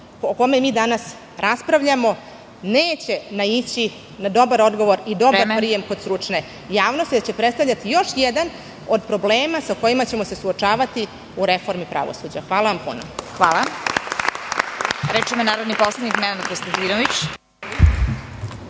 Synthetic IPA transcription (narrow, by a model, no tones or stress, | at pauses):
oko̞memiːd̪anas | ɾʔaspɾaʋʎamo̞ | neːt͡ɕe̞nait͡ɕi | nad̪o̞baɾo̞d̪ɡo̞ʋo̞ɾid̪o̞baɾpɾije̞mko̞d̪st̪ɾut͡ʂne | jaːʋno̞st̪jed̪at͡ɕe̞pɾet̪st̪avʎʲat̪ijo̞ʃjɛd̪an | o̞d̪pɾo̞bleːmasako̞imat͡ɕe̞mo̞se̞suot͡ʂaːʋat̪i | uɾefo̞ɾmipɾa̰ʋo̰sud͡ʑaxʋaːlˠaʋampṵno̰xʋaːlˠa | ɾɛt͡ʃɛmonaːɾod̪niposled̪ʲnikmɛnanat̪kost̪ant̪iːnoʋit͡ɕ